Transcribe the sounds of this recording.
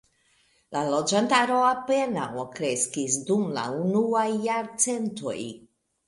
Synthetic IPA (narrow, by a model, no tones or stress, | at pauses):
lalod͡ʒant̪aɾoapenawokɾeskisd̪umla̰unuajːaɾt͡sent̪o̰j